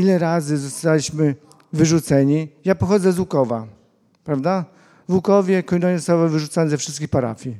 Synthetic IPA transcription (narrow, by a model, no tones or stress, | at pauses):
ilɛɾazɘzɔst̪alʲiɕmɘ | vɘʐut̪sɛɲijapɔxɔd̪zɛzwukɔva | pɾavd̪a | vwukɔvʲjɛkɔjnɔɲɛzɔst̪awavɘʐut̪sanɛzɛfʂɘst̪kʲixpaɾa̰fʲji